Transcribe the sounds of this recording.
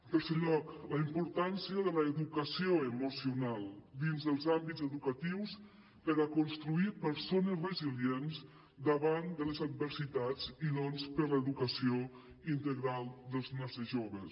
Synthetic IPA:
ət̪əɾseʎɔkləimpuɾt̪ansiəðələːðukəsioəmusiunalˠd̪inzðəlˠzambidzəðukət̪iws | pəɾəkunst̪ɾuipəɾsonəzrəzilijens | d̪əβand̪ələzəd̪̚bəɾsit̪ad͡zinɔnspəɾləəðukəsio | int̪əɣɾalˠd̪əlˠznasəʒoβəs

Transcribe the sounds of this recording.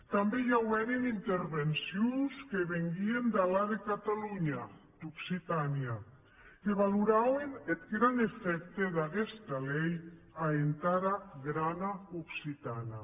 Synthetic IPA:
t̪ambejawɛɾenint̪eɾβensjunskeβeŋɡiend̪alaðekat̪aluɲad̪̥uksit̪ania | keβaluɾawenet̪ɡɾanefɛk̚t̪eðaɣɛst̪alɛej | aent̪aɾaɣɾanauksit̪ana

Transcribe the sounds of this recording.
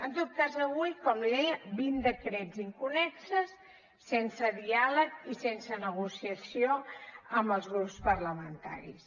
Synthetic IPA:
ənt̪ot̪̚kazəβujkɔmlðɛəbind̪əkɾɛziŋkunɛksəsː | ensəðialəkisensənəɣusiəsioəmbəlˠzɣɾupspəɾləmənt̪a̰ɾḭs

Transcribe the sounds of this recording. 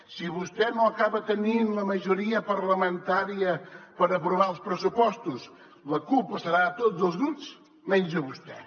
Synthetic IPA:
siβust̪ɛnoəkaβət̪əninləməʒuɾiəpəɾləmənt̪aɾiəpəɾəpɾuβ̞aəlˠspɾəsupɔst̪us | ləkupəsəɾat̪od͡zzəlˠzɣɾups | mɛnʲd͡ʒəβust̪ɛ

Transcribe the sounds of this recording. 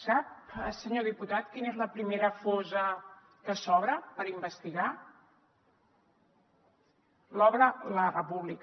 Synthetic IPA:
sap̚əsəɲoðiput̪at̪kinezləpɾimeɾəfozə | kəsɔβɾəpəɾimbəst̪iɣa | lɔβɾələrəpuβlik

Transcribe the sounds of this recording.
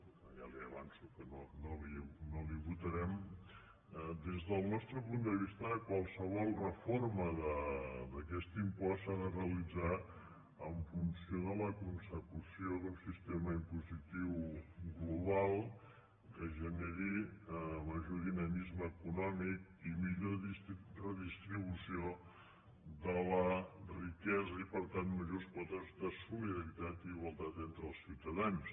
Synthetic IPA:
ja̰liəβansukənonoliɛnoliβut̪əɾɛm | d̪ezðəlˠnɔst̪ɾəpund̪əβ̞ist̪əəkwalˠsəβ̞ɔlˠrəforməðəðəkɛst̪impɔsaðəreəlid͡za | əɱfunsioðələkunsəkusioðəlˠsist̪eməimpuzit̪iwɡluβalˠ | kəʒəneɾiəməʒoðinəmizməːkunɔmik̚ | imiʎoirəðist̪ɾiβusio | ðələrikɛzəipəɾt̪anməʒospɔt̪əzðəsuliðəɾit̪at̪iːɣwəlˠt̪at̪ent̪ɾəlˠsiwt̪əðans

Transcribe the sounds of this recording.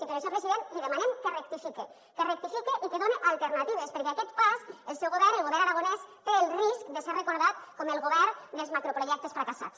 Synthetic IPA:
sipeɾesopɾeziðenliðəmanemkərəkt̪ifike | kərək̚t̪ifikeʔikeðoneʔalˠt̪eɾnat̪iβ̞espəɾkeakɛt̪pasəlˠsɛwɣoβɛɾəlˠɣoβɛɾaɾaɣ̞onɛst̪eːlˠriskd̪əserəkuɾðat̪̚koməlˠɣoβɛɾd̪əlzmakɾopɾoʒɛk̚t̪əsfɾakasa̰t͡s

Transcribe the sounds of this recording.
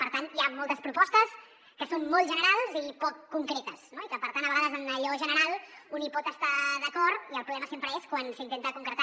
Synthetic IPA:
pəɾt̪anjamɔlˠt̪əspɾupɔst̪əs | kəsomːɔlˠʒənəɾalˠzipɔkːuŋkɾɛt̪əsnoikəpəɾt̪andəβɐɣaðəzənləʎɔʒənəɾalˠunipɔt̪əst̪aðəkɔɾt̪iəlpɾuβlɛməsempɾəeskwansəint̪ent̪akuŋkɾət̪a

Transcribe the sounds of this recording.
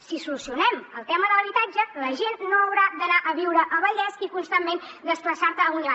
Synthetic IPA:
sisulusiunɛməlˠt̪ɛməðələβit̪ad͡ʒələʒenːoəwɾad̪ənaʔəβiwɾəʔəβəʎɛskikunst̪amːend̪əspləsaɾt̪əun

